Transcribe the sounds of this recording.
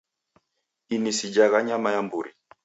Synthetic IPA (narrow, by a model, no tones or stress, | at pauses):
inisid͡ʒaɣaɲamajambuɾḭ